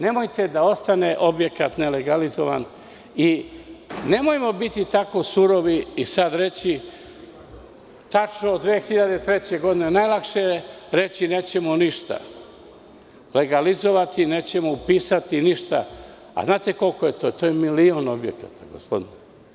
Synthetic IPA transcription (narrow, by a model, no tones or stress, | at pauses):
ne̞mo̞jt̪e̞d̪ao̞st̪ane̞ʔo̞bje̞kat̪ne̞le̞ɡalizoʋa̰n | i | ne̞mo̞jmo̞bit̪it̪ako̞suɾo̞ʋiisad̪ɾe̞t͡ɕi | t̪at͡ʃnoːd̪d̪ʋeːxiʎad̪et̪ɾe̞t͡ɕe̞ɡo̞d̪inenajlˠakʃeɾe̞t͡ɕine̞ːt͡ɕe̞moniʃt̪a̰ | le̞ɡalizo̞ʋat̪ineːt͡ɕe̞moupiːsat̪iniʃt̪a̰ | a̰znaːt̪e̞ko̞lkojet̪o̞t̪oːjemilio̞nobje̞̰ka̰t̪aɡo̰spo̞̰d̪ine